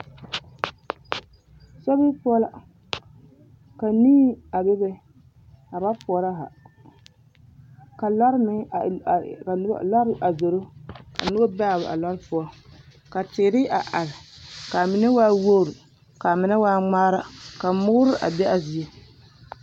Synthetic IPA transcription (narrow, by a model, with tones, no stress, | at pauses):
sɛ˦bi˦pɔ˦la̰˦ | ka˨niː˦a˨bɛ˦bɛ˦ | a˨ba˦pʊ˨ɔ˨ɾa˦ɦa̰˨ | ka˨la˦ɾmɪ˦˨ | ka˨˦la˦ɾʔa˨zo˨ɾo˦ka̰˨nʊ˦ba˦ba˦˨bʔa̰˨la˦ɾpʊ˦ɔ˦ | ka˨tɪ˨ɾɪ˦a˨ʔa˨lɪ˨ka˨mɪ˨nɪ˦waː˦wo˦˨ɾi˨ | ka˨mɪ˨na˦waː˦ŋ͡maː˦ɾa˦ka˨mʊ˦ɣʊ˦ɾɪ˦ʔa̰˨bɛ˦ʔa˨zi˨e˦